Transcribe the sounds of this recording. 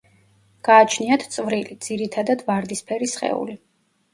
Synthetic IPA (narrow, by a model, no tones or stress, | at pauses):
ɡ̥aːt͡ʃʰniat̪ʰt̪sʼvɾilid̪ziɾit̪ʰad̪ad̪vaɾd̪ispʰɛɾisχɛ̰ṵli